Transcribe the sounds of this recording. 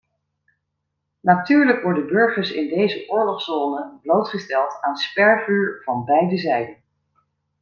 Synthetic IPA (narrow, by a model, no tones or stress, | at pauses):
natyːɹləkʋɔɹdənbɵɹχəɹsɪ̰ndejzəʔʊːɹlɔχsz̥oːnəblowtχəstɛlˠtaːnspɛɹvyːɹv̥ɑnbɛjdəzɛjdən